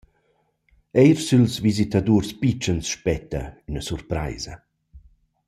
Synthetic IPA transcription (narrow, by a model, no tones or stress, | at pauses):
ɛjɾsylsvizit̪ad̪urspit͡ʃənsʃpɛt̪ə̰ynəsurpɾa̰jzɐ